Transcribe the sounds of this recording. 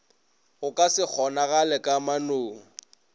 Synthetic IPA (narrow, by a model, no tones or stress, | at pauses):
ɣʊkʼasɪk͡xʰɔnaɣalɛkʼamanoːŋ̩